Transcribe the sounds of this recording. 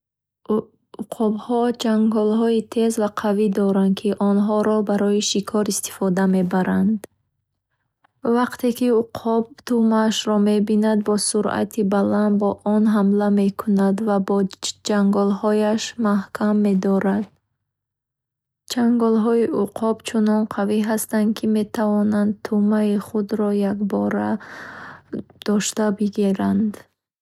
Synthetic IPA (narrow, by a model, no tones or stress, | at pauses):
uqʰɔbhɔd͡ʒaŋɡɔlɦɔit̪ʰe̞zvaqʰavid̪ɔɾand̪̚kʰiʔɔnɦɔɾɔbaɾɔiʃikʰɔɾist̪i̥fɔd̪ame̞baɾand̪ | vaqt̪ʰe̞kiuqʰɔbt̪umaʃɾɔme̞binad̪̚bɔsuɾa̰t̪ʰibaland̪bɔʔɔnɦamlame̞kʰunad̪vabɔd͡ʒaŋɡɔlhɔjaʃmahkʰamːe̞d̪ɔɾad̪̚ | d͡ʒaŋɡɔlɦɔiʔuqʰɔbt͡ʃʰunɔnqʰaviɦast̪ankʰime̞t̪ʰavɔnand̪t̪ʰumaiχud̪ɾɔjakbɔɾa | d̪̥ɔʃt̪abiɡiɾand̪